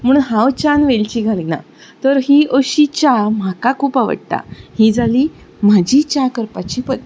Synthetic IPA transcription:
m̤əɽ̃unɦãwt͡ɕanʋelt͡ɕiːɡʱalina̰ | t̪əɾɦiːʔəɕit͡ɕam̤akakʰuːpaʋə̰ɽt̪a̰hiːd͡zaliː | mad͡ʑiːt͡ɕakəɾpat͡ɕiːpəd̪̚

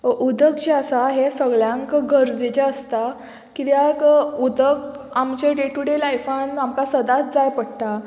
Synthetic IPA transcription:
ʔud̪əkd͡ʑeəsaɦesəɡɭjãŋkɡəɾd͡zit͡ɕaəst̪a | kit̪jakud̪ək | amt͡ɕeɖeʈuɽelajfanamkasəd̪at̪d͡zajpəɽt̪a

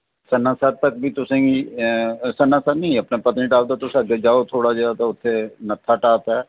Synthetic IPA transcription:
sənːãːsəːɾ̚t̪əkbiːt̪ʊsẽːɡiː | sənãːsənĩəpnẽːpət̪nĩːʈaːbd̪aːt̪ʊsãːɡeːd͡ʒaːoːt̪ʰoːɽaːd͡ʒeːaːt̪ãːʊt̪ʰːeːnət̪ʰːaːʈaːt̪ɛː

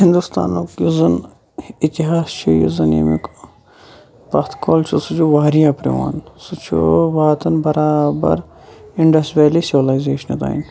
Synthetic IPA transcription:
hind̪ust̪a̰ːnoːkjuzɐn | it̪iɦaːst͡ʃʰujṵzɐnjḭmik | pɐt̪ʰkʰoːlt͡ʃʰusut͡ʃʰuʋaːɾijaːpɾḭʋa̰ːnsut͡ʃʰṵʋaːt̪ɐnbɐɾaːbɐ̰ɾ | iɳɖɐsʈɾeːlisiʋɐlaizeːʃɐnit̪a̰ːḭn

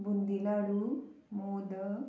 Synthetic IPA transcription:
bund̪ilaɽu | mod̪ə

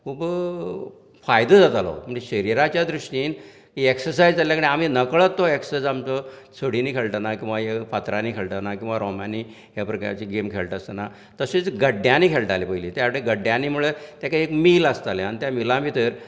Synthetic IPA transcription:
kub | fajd̪əd͡zat̪alo̰məɳd͡ʑeɕəɾiɾat͡ɕjad̪ɾuʂʈiːn | kieksəɾsajd͡zd͡zaljakəɳiam̤inəkɭət̪ːoeksəd͡zamt͡sɔ | soɽ̤iniːkʰeɭʈ̪ənakĩw̃ʋajefat̪ɾaniːkʰeɭʈ̪ənakĩw̃ʋaɾɔmaniː | ɦjapɾəkat͡ɕiɡemkʰeɭʈəst̪əna | t̪əset͡sɡəɖjaniːkʰeɭʈalepəɦilit̪jaʋɽeɡəɖjãniːm̤uɭet̪jakaekmiːlast̪aleaɳ̃it̪jamilãmit̪əɾ

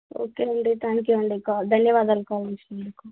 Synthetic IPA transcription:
o̰ːkeːɐɳɖit̪ʰaːŋkjuɐɳɖikad̪ʱɐnjɐʋaːd̪ɐlkaːlisɐɖiku

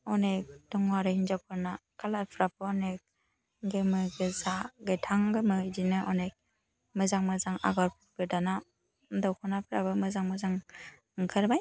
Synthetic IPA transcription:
ɔnek̚d̥ɔŋwaɾɯhind͡ʒapʰɯɾnakʰalapʰɾapʰɯɔnek̚ | ɡemɯɡɯzaɡetʰaŋɡɯmɯdinɯʔɔnek̚ | mɯzaŋmɯzaŋa̰ɡɔɾpʰɔɾbɯdana | dɔwkʰɔnapʰɾabɯmɯzaŋmɯzaŋ | ŋkʰɯɾbaj

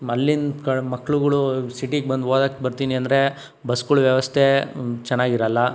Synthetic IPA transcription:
mɐlːinkɐɭmɐkːɭuɡɐɭusiʈiɡ̚bɐnd̪oːd̪aːkt̪bɐɾt̪iːniɐnd̪ɐɾe̞ | bɐskuɭuʋjɐʋɐst̪ʰet͡ʃɛnːaːɡiɾɐlːɐ

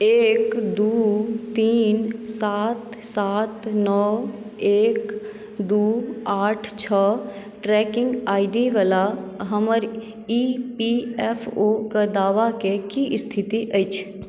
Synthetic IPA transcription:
eːkd̪uːt̪iːnsaːt̪saːt̪nɔː | eːk | d̪uːaːʈʰt͡ʃʰə | ʈɾɛːkɪ̃ŋɡaːɪɖiʋalaɦəməɾ | ipiɛpʰokəd̪aːʋakekiʔɪst̪ʰɪt̪iʔəit͡ʃʰ

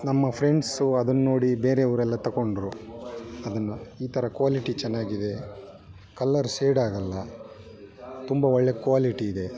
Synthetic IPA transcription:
nɐmːɐpʰɾeɳɖsuɐd̪ɐnːo̞ːɽibeːɾeɐʋɐɾɛlːɐt̪ɐkoɳɖɐɾu | ɐd̪ɐnːɐiːt̪ʰɐɾɐkuʋaːliʈit͡ʃɛnːaːɡid̪e̞ | kɐlːɐɾseːɽaːɡɐlːɐ | t̪umbɐɔɭːekuʋaːliʈiːd̪e̞

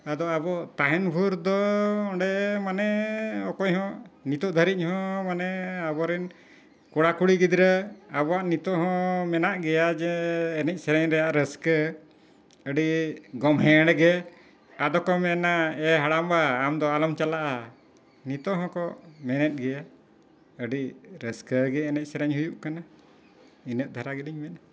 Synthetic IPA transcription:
ad̪ɔabɔt̪aɦɛnbʱuɾd̪ɔɔɖɛmanɛɔkɔɲɦɔ̃nit̪ɔʔd̪ʱəɾic̚ˀhɔ̃manɛabɔɾɛn | kɔɽakuɽiɡid̪ɾəabɔaʔnit̪ɔɦɔ̃mɛnaʔɡɛjad͡ʒɛːnɛc̚ˀsɛɾɛɲɾɛjaʔɾəskə | əɖiɡɔmɦɛ̃ɽɡɛ | ad̪ɔkɔmɛnaɛɦaɽambaːmd̪ɔalɔmt͡ʃalaʔa | nit̪ɔɦɔ̃kɔmɛnɛt̪̚ɡɛja | əɖiɾəskəɡɛːnɛc̚ˀsɛɾɛɲhujuʔkana | inət̪̚d̪ʱaɾaɡiliɲmɛn

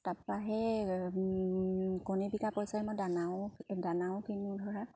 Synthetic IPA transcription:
tapaɦɛ | kɔnibikapɔjsajɛmɔdanawdanawkʰinudʱɔɹa

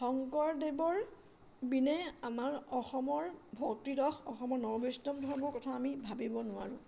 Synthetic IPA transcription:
xɔŋkɔɹdebɔɹ | binɛamaɹɔxɔmɔɹbʱɔktidɔxʰɔxɔmɔɹnɔɹbɔsnɔmdʱɔɹmɔɹkɔtʰaːmibʱabibɔnʊa̰ɹʊ̰̃

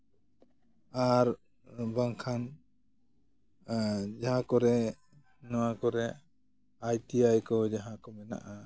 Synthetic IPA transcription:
aɾ | baŋkʰan | d͡ʒaɦãkɔɾɛ | nɔwakɔɾɛ | ajt̪iajkɔd͡ʒaɦãkɔmɛna̰ʔa

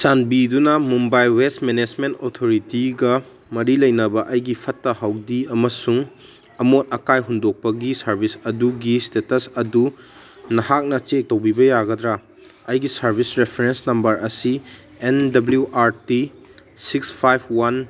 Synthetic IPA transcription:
sanbidunɐmumbajwestmened͡ʒmentotʰoɾitiɡɐ | mɐɾilɐjnɐbɐʔɐjɡipʰɐtːɐhɐwdiɐmɐsuŋ | ɐmot̚ɐkajɦundok̚pɐɡisɐɾbʱisɐduɡistetɐsɐdu | nɐhak̚nɐt͡ʃek̚tɐwbibɐjaɡɐdɾa | ɐjɡisɐɾbʱisɾepʰeɾensnɐmbɐɾɐsi | endɐbljuʔaɾti | sikspʰajpʰwan

